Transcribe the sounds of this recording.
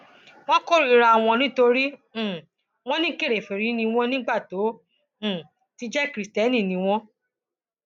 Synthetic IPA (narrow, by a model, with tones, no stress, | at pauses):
w̃ɔ̃˦ko˦ɾi˦˧ɾa˧˨w̃ɔ̃˧nĩ˦to˧ɾĩ˦˨ | w̃ɔ̃˦nĩ˦ke˦˨ɾe˨fe˨ɾĩ˨˦nĩ˧w̃ɔ̃˦nĩ˦ɡ͡ba˦˨tõ˨˦˨ | ti˧d͡ʒɛ˦kɾi˨stɛ˨˦nĩ˦˨nĩ˧w̃ɔ̃˦